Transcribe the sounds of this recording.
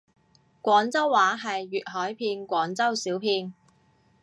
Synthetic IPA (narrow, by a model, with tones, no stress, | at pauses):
kʷɔː˨˥nt͡sɐ˥wːaː˨˥ɦɐ˨jɥyː˨t̚ɦɔː˨˥jpʰiː˧nkʷɔː˨˥ŋt͡sɐ˥wsiː˨˥wpʰiː˧n